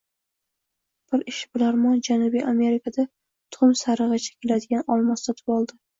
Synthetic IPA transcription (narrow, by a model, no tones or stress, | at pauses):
b̥ɪɾɪʃɪbɪlaɾmɒnd͡ʒanʊbijʔame̞ɾɪkʰad̪a | t̪ʰʊʊmsaɾɨʁɨt͡ʃʰḁkʲʰelad̪ɪɡʲanɒlˠmɒst̪at̪ʰɪ̥pɒlˠd̪ɪ